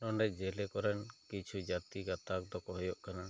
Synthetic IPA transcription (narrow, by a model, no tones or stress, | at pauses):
ɔɳɖɛd͡ʒɛlɛkɔɾɛnkit͡ʃʰud͡ʒat̪iɡat̪ak̚d̪ɔkɔɦɔjɔʔkana